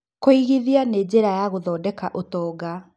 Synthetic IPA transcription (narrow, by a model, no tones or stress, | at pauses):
koiɣiðianeːd͡ʑeɾajaɣoðɔːdɛkaʔotɔːɡa